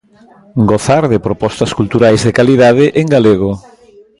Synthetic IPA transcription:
ɡoθaɾðepɾopɔst̪ɐskult̪uɾajzðekaliðað̞ɪʔeŋɡaleɣ̞o

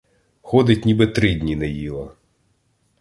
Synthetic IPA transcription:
xɔd̪ɪtʲnʲibɛt̪ɾɪdʲnʲinɐjilˠɐ

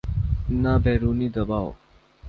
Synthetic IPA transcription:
nabʱeːɾuːnid̪əbaːw

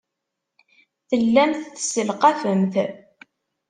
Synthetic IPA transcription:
θəlːæmθθsəlqafəmθ

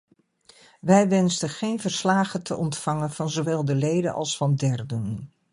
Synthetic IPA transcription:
ʋɛjʋɛnstəχejnvəɹslaːχətəʔɔntfɑŋənv̥ɑnzoʋɛlˠdəlejdə̰nʔɑ̰lˠsfɑndɛɹdən

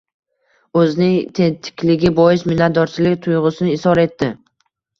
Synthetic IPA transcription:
ɵznɪŋt̪ʰent̪ʰɪ̥kʲlɪɡʲɪbɒjɪsmɪnːat̪̚d̪ɒɾt͡ʃʰɪlɪkʲt̪ʰʊjʁʊsɪnɪːsɒɾe̞t̪ːɪ

